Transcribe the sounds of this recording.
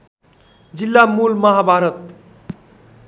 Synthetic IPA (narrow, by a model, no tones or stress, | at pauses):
d͡ʒilːamuːlməɦabʱaɾət̪̚